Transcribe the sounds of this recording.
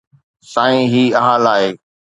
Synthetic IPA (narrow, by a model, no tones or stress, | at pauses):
sãːĩɦiːɐɦaːlaːɦeː